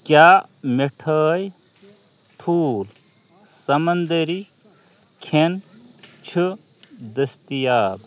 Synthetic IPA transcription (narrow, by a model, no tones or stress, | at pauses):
kjaː | meʈʰɐːj | ʈʰuːl | sɐmɐnd̪ɐɾi | kʰen | t͡ʃʰɨ | d̪ɐst̪ijaːb̪